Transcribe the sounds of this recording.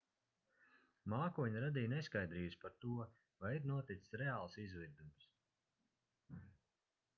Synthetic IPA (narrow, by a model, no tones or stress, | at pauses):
maːkuɔɲaɾad̪iːjneskajd̪ɾiːspaɾt̪uɔ | vajiɾnuɔt̪it̪ssɾɛaːlˠsizviɾd̪ums